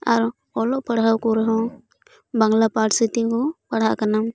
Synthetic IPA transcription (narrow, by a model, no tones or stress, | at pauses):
a̰ɾ | ɔlɔʔpəɽɦawkɔɾɛɦɔ̃ | baŋlapaʈʰsit̪ikɔpaɽɦakanam